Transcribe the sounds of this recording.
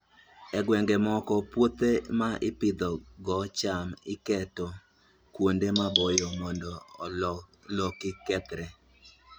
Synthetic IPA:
ɛɡwɛŋɡemɔkɔpwot̪emaʔɪpɪd̪ɔɡɔt͡ʃamɪkɛtɔ | kwondemabojomɔndɔllokɪkɛt̪ɾɛ

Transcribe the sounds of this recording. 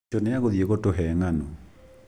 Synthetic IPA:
ɔneaɣoðieɣotoɦɛŋano

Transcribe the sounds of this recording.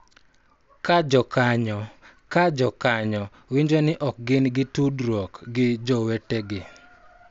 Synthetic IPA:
kad͡ʒɔkaɲɔ | kad͡ʒɔkaɲɔ | wiɲd͡ʒonɪʔɔk̚ɡɪnɡɪtudɾwɔkɡɪd͡ʒɔweteɡɪ

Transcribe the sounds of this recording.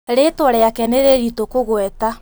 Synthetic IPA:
ɾetwɔɾɛakɛneɾeɾitokoɣwɛta

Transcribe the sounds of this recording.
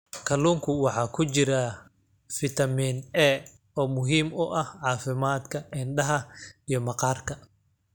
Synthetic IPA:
kʰɐluːŋkʰʊwɑħɑːkʰʊt͡ʃɪɾɐ | fɪt̪ʰɐmiːnɛː | ɔːmʊɦiːmʊʔɐhʕɑːfɪmaːd̪kʰɐʔɪnɖɐɦɐijɞmɐqɑːrkʰɐ

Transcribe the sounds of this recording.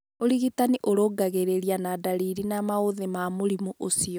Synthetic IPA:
oɾiɣitaniʔoɾoːɡaɣeɾeɾianadaɾiɾinamaoðemamoɾimuʔosiɔ

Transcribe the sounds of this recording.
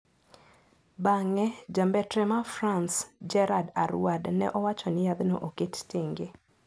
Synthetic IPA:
baŋɛd͡ʒambɛtɾɛmafɾansd͡ʒɛɾadaɾwadnɛ̰ʔɔwat͡ʃɔnɪjad̪noʔoketteŋɡe

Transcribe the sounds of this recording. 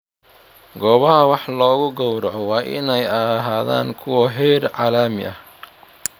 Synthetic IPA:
ɡɔːβɐhɐwɑħlɔːɣʊɡɔwɾɐʕɔwɑːʔɪ̰nɛjɐɦaːða̰ːnkʰʊwɐɦɛːrʕɑːlaːmɪ̰ʔɐh

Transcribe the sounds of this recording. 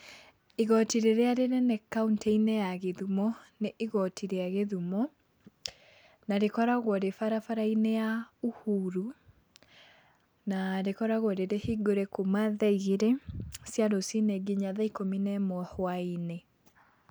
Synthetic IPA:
iɣɔtiɾeɾeaɾeɾenɛkauntʰeinejaɣeðumɔneʔiɣɔtʰiɾeaɣeðumɔ | naɾekɔɾaɣwɔɾefaɾafaɾainejauhuɾu | naɾekɔɾaɣwɔɾeɾehiɡoɾekomaðɛiɣeɾesjaɾosineɡiɲaðaikominɛmɔhwaine

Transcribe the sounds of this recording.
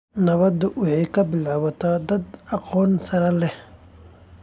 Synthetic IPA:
nɐβɐd̪ʊwɑħɑjkʰɐbɪlʕɑβɐt̪ʰaːd̪ɐd̪ɑqɔːnsɐɾɐlɛh

